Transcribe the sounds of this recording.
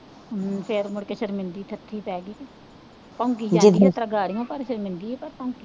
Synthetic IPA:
pʰeɾmʊɽkeːʃəɾmɪnd̪iːt̪ʰət̪ʰːiːpɛːɡiː | pãːŋkiːd͡ʒad͡ʒit̪ɾaːɡaːɽɪjõːpəɾʃəɾmɪnd̪iːpəɾpãːki

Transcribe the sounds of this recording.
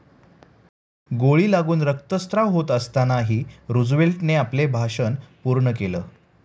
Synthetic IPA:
ɡoɭiːlaɡuːnɾəkt̪əst̪ɾaʋɦot̪əst̪anaɦiːɾud͡zʋelʈneaplebʱaʂənpuɾɳək̬eləː

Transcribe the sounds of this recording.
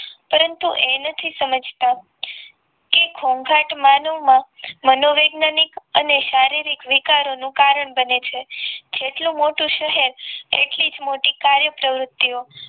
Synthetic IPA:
pəɾənt̪uʔenət̪ʰisəməd͡ʒʱt̪a | kekʰoŋɡʱaʈmanəʋmãmənoʋeɡnanikəneʃaɾiɾikʋikaɾonũkaɾəɳbənet͡ʃʰed͡ʒeʈlũmoʈũʃəɦeɾḛʈlid͡ʒmoʈikaɾjəpɾəʋɾʊt̪ːio

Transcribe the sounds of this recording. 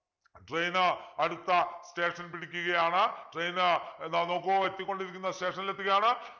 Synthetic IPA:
ʈrejnɨɐɽut̪ːɐste̞ːʂɐnpiɽikʲːuɣɐjaːɳɨʈrejnɨnnoːkːoet̪ːikʲːo̞ɳɖiɾikʲːunːɐste̞ːʂɐnilet̪ːuɣɐjaːɳɨ

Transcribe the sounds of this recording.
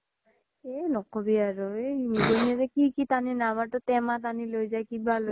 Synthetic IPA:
enɔkɔbiaɹuemiɡoniɛzɛkikitaninamatɔtɛmat̬anilojzajkibalo

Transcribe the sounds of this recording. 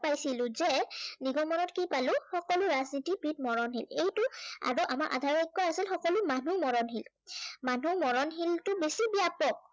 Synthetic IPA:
pajsilʊ̃zɛniɡɔmɔnɔtkipalʊ̃xɔkɔlʊɹaznitipit̚mɔɹɔnɦḭlejtʊa̰ɹuʔa̰maɹʔa̰dʱaɹɔnikːɔasilxɔkɔlʊmanumɔɹɔnɦil | manumɔɹɔnɦiltʊbesibijapɔk̚

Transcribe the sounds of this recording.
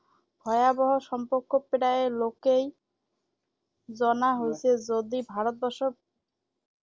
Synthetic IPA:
bʱɔeabɔɦoʃɔmpoɾkːopeɽaelokej | d͡ʑɔnaɦojt͡ɕʰed͡ʑod̪ibʱaɾot̪̚bɔʃo

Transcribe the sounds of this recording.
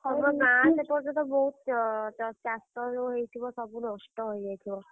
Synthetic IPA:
ɔɾmɔkãsepɔɾd͡ʒɔ̃nt̪ɔboɦut̪ɔt͡ʃast̪ɔɾuɦejt̪ʰibɔsɔbunɔsʈɔɦojɦet̪ʰibɔ

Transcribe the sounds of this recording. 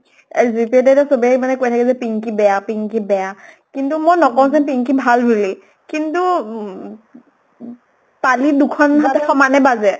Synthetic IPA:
zipɛtɛtɔsobiɛmanɛkojtʰakɛzɛpiŋkibɛjapiŋkibɛja | kintumojnɔkɔw̃zɛnpiŋkibʱalbuli | kintu | palidukʰɔnɦatɛxɔmanɛbazɛ

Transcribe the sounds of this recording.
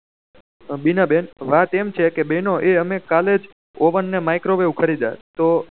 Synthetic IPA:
binabenʋat̪emt͡ʃʰekebenoʔeəmekaled͡ʒ | oʋənːemajkɾoʋeũkʰəɾid̪a̰t̪o

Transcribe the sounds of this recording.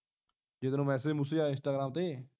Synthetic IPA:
d͡ʒɪt̪nũːmɛːsed͡ʒmʊsiːaːɪ̃nsʈaːɡɾaːmt̪eː

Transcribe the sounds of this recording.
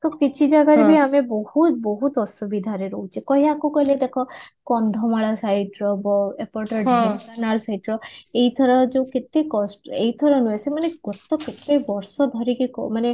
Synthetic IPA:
t̪okit͡ʃʰid͡ʒaɡaɾebʱiamebɔhut̪bɔɦut̪ɔsubid̪ʱaɾeɾɔɦut͡ʃʰiekɔɦiakukɔleʈakʰɔkɔnd̪ʱɔmaɭasajʈɾɔbɔepɔʈɔɖianalsajʈɾɔeit̪ʰɔɾɔd͡ʒeket̪ekɔsʈeit̪ʰɔɾɔnuesemaneɡɔt̪ːɔket̪ːejbɔɾsɔd̪ʱɔɾikikɔmane

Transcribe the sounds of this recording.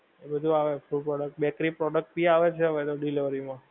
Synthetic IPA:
ebəd̪ʱuaʋefuɖpɾɔɖək̚ʈ̚bɛkɾipɾɔɖək̚ʈ̚biaʋet͡ʃʰɛɦəʋet̪oɖiliʋəɾimã

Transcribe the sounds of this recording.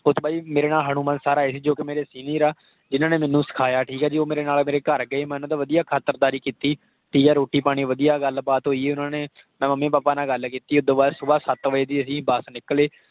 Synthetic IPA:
ʊt̪baːiːmeːɾeːnaːlɦaːɽ̃ũːmənsaːɾaːeːsiːd͡ʒoːkɪmeːɾeːsiːniːɾaː | d͡ʒɪnãːneːmɛ̃ːnːũːsɪ̥kʰaːjaːʈʰiːkɛːd͡ʒiːoːmeːɾeːnaːlmeːɾeːkəɾɡəeːmɛːnũːd̪aːʋəd̪ijaːkʰaːt̪əɾd̪aːɾiːkiːt̪iː | ʈʰiːkɛːɾoːʈiːpaːɽ̃iːʋəd̪ijaːɡəlbaːt̪ɦoːiːeːʊnãːneː | mɛ̃ːməmːẽːpaːpaːnãːɡəlkiːt̪iːʊd̪õːbaːɾsʊbaːsət̪ʋəeːd̪iːəs̬ĩːbəsnɪkleː

